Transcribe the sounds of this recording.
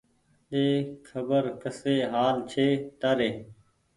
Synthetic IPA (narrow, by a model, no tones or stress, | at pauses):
ɗeːkʰəbəɾkəseːɦaːlt͡ʃʰeːt̪əɾeː